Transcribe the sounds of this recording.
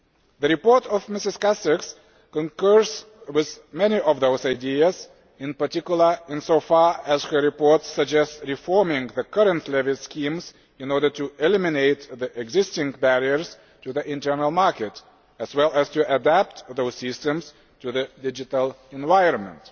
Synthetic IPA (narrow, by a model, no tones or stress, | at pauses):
ðɨɹɨpɔɹtɔvmɪsɨz̥kæsɪks | kə̃nkɜ˞z | wɪðmɛniʔɔvðoʊzaɪdiəz | ɨ̃npə˞tɪkjʊl̩ˠə˞ɪ̃nsoʊfɑɹɨz̥hə˞ɹɨpɔɹtsəɡ̚d͡ʒɛstsɹifɔɹmɪ̃ŋðɨkʰʌɹə̃ntʰlɛviskʰĩmz | ɨ̃nɔɹdə˞tuʔɪlɪmɪneɪt̪̚ðiʔɛɡzɪstɪ̃ŋbæɹiə˞z̥ | tuðiʔɪ̃ntɜ˞nəl̩ˠmɑɹkɨt | ɨzwɛlˠɨz̥tɨʔədæp̚t̪ðoʊz̥sɪstɨ̃mz̥ | tʰuðɨdɪd͡ʒɨtəlˠ | ɛ̃nvaɪə̃nmə̰̃nt